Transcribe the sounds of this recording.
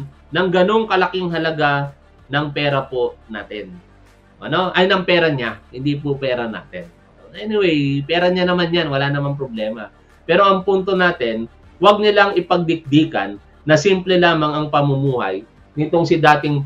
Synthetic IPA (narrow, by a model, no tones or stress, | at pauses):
nɐŋɡɐno̞ŋkɐlɐkɪŋɦɐlɐɡa | nɐŋpɛːɾɐpo̞na̰ːt̪ɪn | ʔɐno̞ʔɐjnɐŋpɛːɾɐɲahɪnd̪ip̬opɛːɾɐna̰ːt̪ɛn | ʔonɐʔɛnɪwɛjpɛːɾɐɲanɐmanjanwɐlanɐmaŋp̬ɾoblɛːmɐ | pɛːɾo̞ɐŋpunt̪o̞naːt̪ɛn | wɐɡ̚nɪlaŋɪpɐɡ̚d̪ɪk̚d̪iːkɐ̰nː | ɐsimplɛlaːmɐŋɐŋpɐmʊmuːhɐ̰j | nɪt̪o̞ŋsɪd̪aːt̪ɪŋ